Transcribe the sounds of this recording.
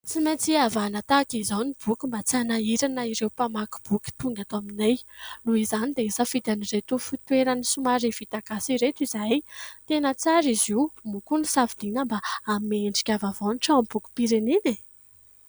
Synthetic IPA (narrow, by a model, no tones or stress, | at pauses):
t͡simet͡siavanat̪akizawnib̥ukʲimbat͡sianaiɾanəiɾewpamaku̥b̥ukʲi̥t̪uŋɡat̪oaminejluizanid̪eisəfid̪aniret̪ufit̪weɾanisumaɾivit̪aɡasiɾet̪izajt̪enət͡saɾiziwmukunisavid̪̥inəmbaːmeɳɖ͡ʐi̥kʲavavoniʈ͡ʂaambuku̥piɾenine